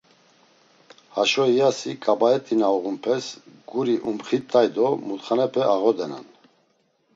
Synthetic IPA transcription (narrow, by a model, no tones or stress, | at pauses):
haʃɔijasikʼabaɛt̪ʼinaɔɣumpʰɛsɡuɾiʔumχit̪ʰʼːajd̪ɔmut̪χanɛpʰɛaʁɔd̪ɛna̰n